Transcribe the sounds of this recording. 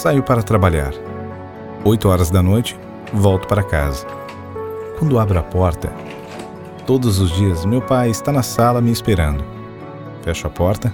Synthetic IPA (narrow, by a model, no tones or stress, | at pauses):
sajʊpaɾɐt̪ɾabaʎa̰ɾ | ojt̪ʊɔɾɐzd̪ɐnojt͡ʃɪ̥ | vɔwt̪ʊ̥paɾɐka̰zɐ | kwɐ̃nd̪ʊabɾʊɐpɔɾt̪ɐ̰ | t̪od̪ʊzʊzd͡ʒiɐzmewpajɪst̪anɐsalɐmɪːspeɾɐ̃nd̪ʊ | fɛʃʊɐpɔɾt̪ɐ